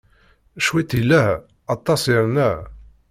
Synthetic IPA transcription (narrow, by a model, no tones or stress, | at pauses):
ʃwit̪ilːæh | ɑt̪ˤːɑsiɾnæ